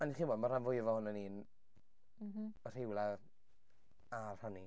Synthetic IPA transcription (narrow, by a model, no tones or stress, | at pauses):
aniχiːnbɔːdmar̥anvʊɨvɔhʊnəniːn | r̥ɪwlˠa | arhani